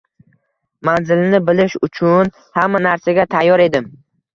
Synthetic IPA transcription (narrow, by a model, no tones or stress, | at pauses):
manzɪlnɪbɪlɪʃʊt͡ʃʰʊn | hamːanaɾsaɡʲat̪ʰajːɒɾe̞d̪ɪm